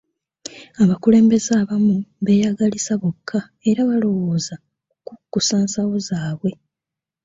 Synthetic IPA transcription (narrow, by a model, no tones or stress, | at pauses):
aβakule̞ːmbe̞zaːβamuβe̞jaɡalisaβokʰːa | eɾaβalo̞wo̞ːza | kukːusaːnsawozaːβwe̞